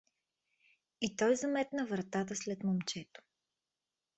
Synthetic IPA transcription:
it̪ɔjzɐmɛt̪nəvɾɐt̪at̪̬əslɛt̪momt͡ʃɛt̪o̥

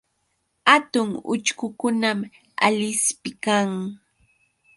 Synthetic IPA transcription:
hat̪ʊŋʊ̰t͡ʃkʊkʊnam | a̰ʎɪspɪkaŋ

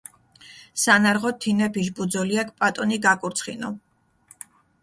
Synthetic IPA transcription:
sanaɾʁɔt̪ʰinɛpʰiʒbud̪zɔliak̚ʰpʼat̪ʼɔniɡakʼuɾt̪sʰχinɔ

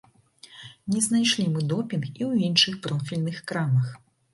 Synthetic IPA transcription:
nʲɛznajʂlʲimɨd̪ɔpʲinxiwinʂɨxpɾɔfʲilʲnɨxkɾamɐx

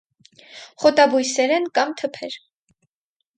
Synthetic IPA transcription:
χɔt̪ɑbujsɛɾɛnkɑmt̪ʰəpʰɛɾ

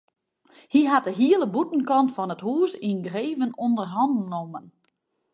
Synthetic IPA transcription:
hiɦat̚dəɦiələbutn̩kɔntfɔnəthuːsinɡreːvənondərɦɔndnomən

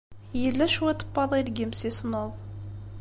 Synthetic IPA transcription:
jəlːæʃwɛt̪ˤə̥pːɑðˤilɡimsisnəðˤ

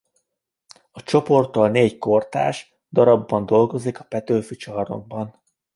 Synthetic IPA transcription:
ɒt͡ʃo̞po̞rt̪ɒlneːcko̞rt̪a̰ːʃ | d̪ɒɾɒbːɒnd̪o̞lɡo̞zikɒ̥pɛt̪øːfyt͡ʃɒːrno̰ɡ̚bɒn

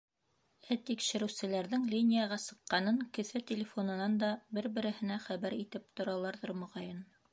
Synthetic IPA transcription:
æt̪ikʃɘ̆ɾɘ̆wsɘ̆læɾðɘŋlʲinʲijaʁɑsɤ̆qːɑnɤŋkɵ̆θɘt̪ʲɪlʲɪfonɤ̆nɑnd̪ɑbɘɾbɘ̆ɾɘ̆hɘ̆næχæβæɾit̪ɘp̚t̪ŏɾɑlˠɑɾðɤɾmŏʁɑjɤn

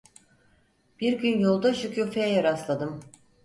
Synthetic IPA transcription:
b̥iɾɟynjolˠd̪aʃucʰuːfejɛjaɾaslˠad̪ɯm

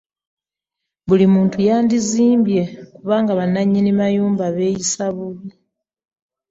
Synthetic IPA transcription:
βulimuːntujaːndiziːmbje̞kuβaːŋɡaβanːaɲːinimajuːmbaβe̞ːjisaβuli

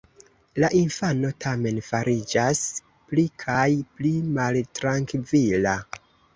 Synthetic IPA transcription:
laʔinfano̞tʰame̞nfaɾʔid͡ʒas | plikʰajplimaltɾaŋkvila

